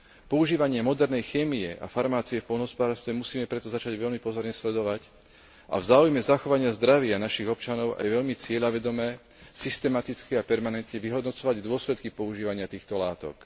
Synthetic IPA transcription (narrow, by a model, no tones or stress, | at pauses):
pɔuʒiːʋaɲɪɛmɔd̪ɛɾnɛjxɛːmiɛʔa̰faɾmaːt͡siɛfpɔlnɔɦɔspɔd̪aːɾst̪ʋɛmusiːmɛpɾɛt̪ɔzat͡ʃaɟʋɛʎmipɔzɔɾɲɛslɛd̪ɔʋac | ʔa̰vzaːujmɛzaxɔʋaɲɪazd̪ɾaʋɪanaʃiɣɔpt͡ʃanɔʊʔa̰jʋɛʎmit͡sɪɛʎaʋɛd̪ɔmɛː | sist̪ɛmat̪it͡skɛapɛɾmanɛnt̪ɲɛʋiɦɔd̪nɔt͡sɔʋaɟd̪ʊɔslɛt̪kipɔuʒiːʋaɲɪat̪iːxt̪ɔlaːt̪ɔ̰k